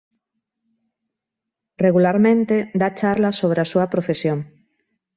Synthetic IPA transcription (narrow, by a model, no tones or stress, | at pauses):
reɣulaɾmẽnt̪ed̪at͡ʃaɾlasoβ̞ɾeasuɐpɾofesjoŋ